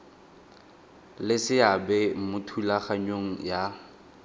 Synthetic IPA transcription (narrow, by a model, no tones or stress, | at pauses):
lɪsɪabɛmʊtʰulaχaɲoŋ̩ja